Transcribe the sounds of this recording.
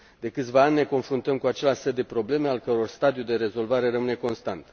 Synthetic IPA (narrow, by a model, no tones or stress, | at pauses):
d̪e̞kɨt̪sʲvaanʲːe̞ko̞nfɾunt̪əmkuat͡ʃe̞lʲaʃsed̪e̞pɾo̞ble̞me̞alkəɾo̞rst̪ad̪ijud̪e̞ɾe̞zo̞lvaɾe̞rəmɨne̞ko̞nst̪ant̪